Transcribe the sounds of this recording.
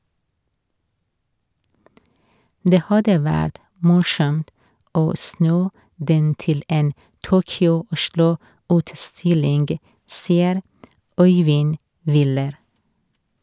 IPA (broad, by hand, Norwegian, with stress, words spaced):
ˈdeː ˈhɑdə ˈʋæːɾt ˈmʊʃɔmt ˈoː ˈsnuː ˈdɛn ˈtɪl ˈɛn ˈtuːkʏʊˌʊʃɭʊʉːtˌstɪlɪŋɡ ˈsiːəɾ ˈɔʏʋɪn ˈʋɪləɾ